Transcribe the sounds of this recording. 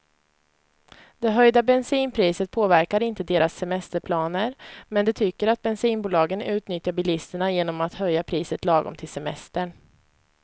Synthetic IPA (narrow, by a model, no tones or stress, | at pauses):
d̪ɛɦœjd̪abɛnsiːnpʰɾiːsət̪̚pʰoːvæɾkaɾɪnt̪əd̪eːɾasːɛmɛst̪əɾpʰlɑːnəɾmɛnd̪ɛt̪ʰʏkːəɾat̪̚bɛnsiːnbuːlɑːɡənʉ̟ːt̪nʏt̪jaɾbɪlɪst̪əɳajeːnɔmat̪hœjːapʰɾiːsət̪lɑːɡɔ̰mt̪ʰɪlsɛmɛst̪əɳ